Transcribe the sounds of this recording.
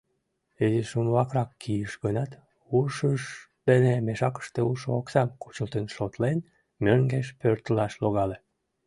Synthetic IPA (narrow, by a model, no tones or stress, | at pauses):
eziʃunβɑkrɑkːijəʃɣənɑt̪ | uʃəʃ | d̪̥enemeʃɑkə̥ʃt̪euʃooksɑmkut͡ɕəlt̪ənʃot̪len | møŋɡeʃpørt̪əlɑʃloɣɑle